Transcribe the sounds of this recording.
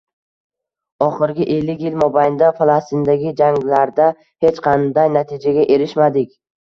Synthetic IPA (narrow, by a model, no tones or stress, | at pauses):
ɒχɪɾɡʲɪʔe̞lːɪkʲjɪlmɒbajnd̪afalˠast̪ɪnd̪aɡʲɪd͡ʒaŋlaɾd̪a | het͡ʃqʰɑnd̪ajnat̪ʰɪd͡ʒaɡʲaʔe̞ɾɪʃmad̪ɪkʲ